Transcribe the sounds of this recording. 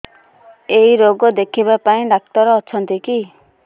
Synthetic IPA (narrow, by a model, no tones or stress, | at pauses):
eiɾoɡɔd̪ekʰibapaĩɖak̚t̪ɔɾɔːt͡ʃʰɔnt̪iki